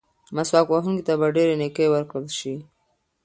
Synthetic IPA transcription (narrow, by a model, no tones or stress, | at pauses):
maswɑkwaɦuŋkit̪abaɖeɾenekewəɾkɽəlʃi